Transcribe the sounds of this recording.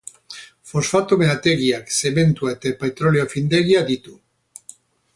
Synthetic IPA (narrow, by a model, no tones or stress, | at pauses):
fo̞sfat̪omenat̪e̞ɣiakse̞me̞nt̪uaet̪apet̪ɾo̞leofind̪e̞ɣiad̪it̪u